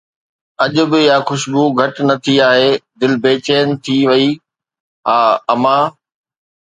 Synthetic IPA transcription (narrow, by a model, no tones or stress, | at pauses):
ɐʄʊ̆bɪjaːxʊʃbuɡʱɐʈnɐt̪ʰiaːɦeːd̪ɪlbeːt͡ɕeːjənɪ̆t̪ʰiʋɐi | ɦaːɐmãː